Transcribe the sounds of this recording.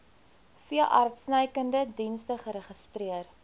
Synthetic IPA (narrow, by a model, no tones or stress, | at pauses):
fiəlʔɐrtsnəjkəndədinstəχəɾəχəstriər